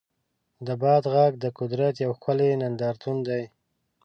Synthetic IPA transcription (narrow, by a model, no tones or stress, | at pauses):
d̪əbɑd̪ɣaɡ̚d̪əkʊd̪ɾat̪jawxəlenand̪ɑɾt̪und̪aj